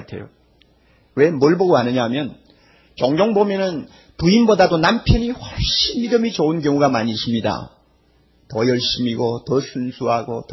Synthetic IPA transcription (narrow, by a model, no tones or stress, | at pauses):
tʰe̞̰jo̰ | we̞mɯɭboɡoanɯɲamjʌn | t͡ɕʌŋɡoŋbomjʌnɯn | tuinbodadonampʰjʌɲiɸwʌɭɕ͈inmidɯmit͡ɕounkjʌŋuɡamaɲiɕʰimɲida̰ | tʌjʌɭɕ͈imiɡotʌsʰunsʰuɦaɡot